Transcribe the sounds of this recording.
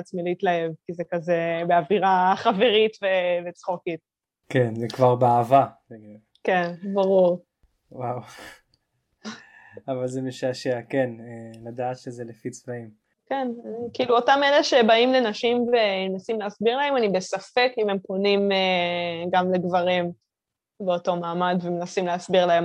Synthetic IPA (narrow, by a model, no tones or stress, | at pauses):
at͡smileitlaevkizekazebeaviʁaχave̞ʁitvevet͡sχokit̚ | kenzekvaʁbeaːvaeɡ | kenbaʁuʁ | waw | avalzemeʃaʃeakenelad̪aːt̪ʃezelefit͡svaim | kenkiːluotameleʃebaimle̞naʃimveenasimleasbiʁlae̞manibesafekimempo̞nimeɡamleɡvaʁim | beo̞to̞maːmadvemenasimleasbiʁlaem